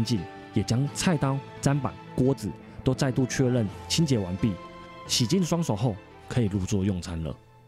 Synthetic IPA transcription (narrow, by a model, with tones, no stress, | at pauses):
nt͡ɕi˥˨n | jɛ˨˩t͡ɕjɑ˥ŋt͡sʰa˥˨ɪt̪ɑ˥ʊt͡sa˦npa̰˨˩nkwɔ˥d͡zɹ̩˨˦ | t̪o˥ʊt͡sa˥˧ɪt̪u˥˧˨t͡ɕʰɥɛ˥˧ɻə˥˨nt͡ɕʰi˥nt͡ɕjɛ˧˥wa˧˥npi˥˨ɕi˨˩t͡ɕi˥˨nʂwɑ˥ŋso˨˩ʊxo˥˩ʊ | kʰɤ˧˦˥i˨˩lu˥˧t͡swɔ˥˧jɔ˥˨˩ŋt͡sʰa˥nlə̰˨